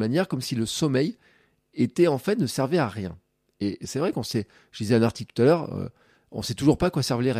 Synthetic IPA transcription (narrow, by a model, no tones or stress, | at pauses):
manjɛʁkɔmsiləsɔmɛj | et̪ɛɑ̃fɛt̪nəsɛʁveaʁjɛ̰̃ | esɛvʁɛkɑ̃sɛ | ʒ̥əd̪izɛɛ̃naʁt̪iklt̪u̥t̪alœʁø̰ | ɔ̰̃sɛt̪uʒuʁpakwasɛʁvleʁ